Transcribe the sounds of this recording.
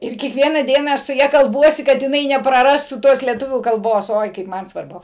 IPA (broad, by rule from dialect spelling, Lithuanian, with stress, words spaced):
ɪr kʲiɛkˈʋʲiɛnɐ ˈdʲiɛnɐ ˈɐʃ sʊ ˈjɛ kɐlˠˈbuɔsʲɪ ˈkɐt jɪˈnɐɪ nʲɛprɐˈrɑːstuː ˈtoːs lʲiɛˈtʊʋʲuː kɐlˠˈboːs ˈoːɪ kɐɪp ˈmɐn sʋɐrˈbʊ